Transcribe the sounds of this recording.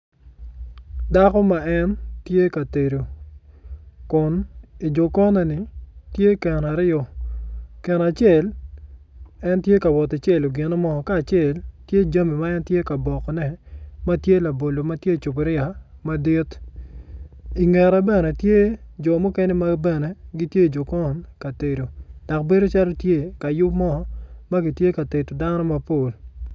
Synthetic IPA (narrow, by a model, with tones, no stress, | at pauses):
da˦kɔ˦ma˨ɛ˦ntje˦ka˨te˨ɾo˨ | kʊ˨ni˨d͡ʒɔ˨kɔ˦nɔ˨nɪ˨tje˦kɛ˨na˨ɾɪɔ˨ | kɛ˨na˨t͡ʃe˨l | ɛ˦ntje˦ka˨wɔ˨ta˨t͡ʃe˦˨lo˨ɡɪ˨na˦mɔ˦˨kaː˦˨t͡ʃe˦˨ltje˦d͡ʒa˦mi˨ma˦ɛ˦ntje˦ka˨bɔ˨kɔ˨nɛ˨ma˦tje˦la˨bo˨lo˨ma˦tje˦˨t͡ʃʊ˨pɪ˨˦ɾɪja˨ma˦di˦t | i˨ŋɛ˨ɾa˨bɛ˦nɛ˨tje˦d͡ʒɔ˨mu˦ke˦ne˦ma˦bɛ˦nɛ˨ɡi˦tje˦d͡ʒo˨kɔ˦nka˨te˨ɾo˨d̥a˨kbe˦do˦t͡ʃa˦lo˦tje˦ka˨jʊ˦bmɔ˦ɔ˦ma˦ɡi˨tje˦ka˨te˨to˨da˦nɔ˦ma˦po˨l